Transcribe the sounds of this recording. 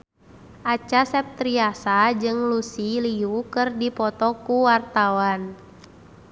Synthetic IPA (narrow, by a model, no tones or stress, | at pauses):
ʔat͡ʃasɛp̚t̪ɾiasad͡ʒɨŋlusiliukɨrdipɔt̪ɔkuwart̪awan